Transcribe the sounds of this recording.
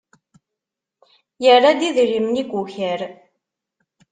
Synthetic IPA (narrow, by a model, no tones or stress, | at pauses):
jərːad̪iðɾimniɡuçəɾ